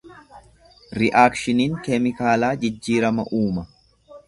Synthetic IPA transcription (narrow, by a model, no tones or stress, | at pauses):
ɾɪʔaːkʃɪniːŋkɛmɪkaːlaːd͡ʒɪd͡ʒːiːɾɐmɐʔuːmɐ